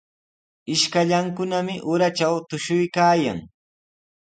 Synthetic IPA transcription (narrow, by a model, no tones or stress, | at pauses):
ɪʃkaʎaŋkʊnamɪʔʊɾat͡ʃawt̪ʊʃʊjkaːja̰ŋ